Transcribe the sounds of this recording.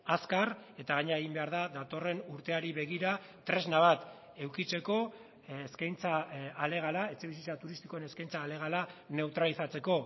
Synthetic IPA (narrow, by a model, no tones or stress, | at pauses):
askare̞t̪aɣaɲeɾaeɣimbe̞aɾðaðat̪o̞re̞nuɾt̪e̞aɾiβe̞ɣ̞iɾa | t̪ɾe̞znaβ̞at̪ | e̞wkit͡se̞ko̞ː | skajnt͡saːle̞ɣ̞alae̞t͡se̞βisit͡sat̪uɾist̪i̥ko̞ene̞skajnt͡saːle̞ɣ̞alane̞wt̪ɾalisat͡se̞ko̞